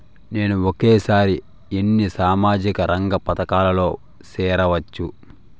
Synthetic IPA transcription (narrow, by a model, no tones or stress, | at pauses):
ne̞ːnuokeːsaːɾi | enːisaːmaːd͡ʒikɐɾɐŋɡɐpɐt̪ɐkaːlɐlo̞ː | sɛːɾɐʋɐt͡ʃːu